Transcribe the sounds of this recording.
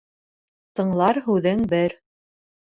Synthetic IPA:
t̪ɤ̆ɴlˠɑɾɦʉðɘŋbɘɾ

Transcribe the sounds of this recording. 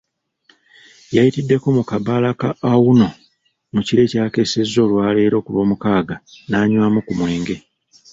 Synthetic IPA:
jajitidːe̞ko̞mukabalakaʔːwuno̞ | muciɾe̞ːcaːke̞se̞zːo̞ːlwaːle̞ːɾo̞ːkulo̞ːmukaːɡanaːɲwaːmukumwe̞ːŋɡe̞

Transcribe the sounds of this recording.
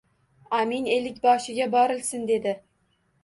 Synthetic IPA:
amine̞lɪkʲbɒʃɪɡʲabɒɾɪlsɪnd̪e̞d̪ɪ

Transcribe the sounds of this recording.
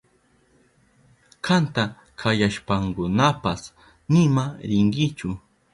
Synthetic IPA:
kʰant̪a | kʰajaʃpaŋkʊnapas | nɪmaɾɪŋɡɪt͡ʃʊ

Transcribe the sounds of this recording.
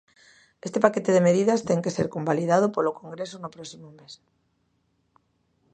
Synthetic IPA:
est̪epaket̪eðemeð̞iðast̪eŋkeseɾkombalið̞að̞opolokõŋɡɾesonopɾɔsimomes

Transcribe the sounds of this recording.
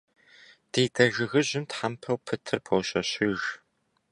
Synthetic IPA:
d̥eːdʰɐʒɨɣɨʑɪmtħampʰɐwpʰɨtʰɨrpʰɐwɕɐɕɪʒ

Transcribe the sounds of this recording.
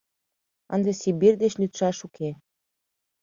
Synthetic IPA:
ə̰nd̪ĕsibird̪eʃlʲyt̪ʃɑʃukʰe

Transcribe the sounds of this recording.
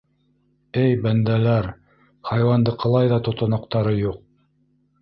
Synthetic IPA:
ɘjbænd̪ælæɾ | χɑjwɑnd̪ɤqʰɤ̆lˠɑjðɑt̪ŏt̪ŏnŏqt̪ɑɾɤjuq̚

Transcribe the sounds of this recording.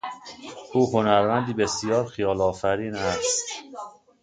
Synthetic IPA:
ʔuːhonæɾmænd̪iːbe̞sijɒːɾxijɒːlɒːfæɾiːnæst̪t̪

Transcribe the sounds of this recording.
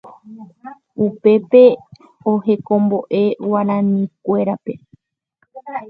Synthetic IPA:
upe̞pe̞ | ohe̞kõ̞mbo̞ʔe̞waɾãnĩkʷe̞ɾape̞

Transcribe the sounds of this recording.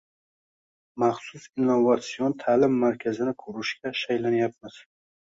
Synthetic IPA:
maχsʊsinːovat̪siont̪ʰaːlɪmːaɾkʲʰazɪnɪkʰɵɾɪʃkʲaʃajlanjap̚mɪz̥

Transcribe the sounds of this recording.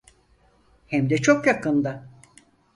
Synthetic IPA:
hɛmd̪ɛt͡ʃʰokjakɯnd̪a

